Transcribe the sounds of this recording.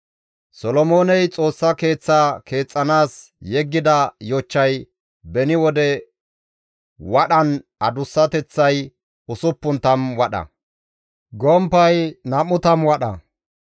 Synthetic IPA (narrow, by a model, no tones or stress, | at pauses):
sɔlɔmo̞ːnɛjt͡sʼo̞ːsːɐke̞ːt͡sːakʰe̞ːt͡sʼːɐnaːs | jɛɡːɪd̪ɐjɔt͡ʃːɐj | bɛnɪwɔd̪ɛ | wɐɗɐnɐd̪ʊsːɐt̪ɛt͡sːɐj | ʊsʊpːʊnt̪ɐmwɐɗɐ̰ | ɡɔmpːɐjnɐmːʊt̪ɐmwɐɗɐ̰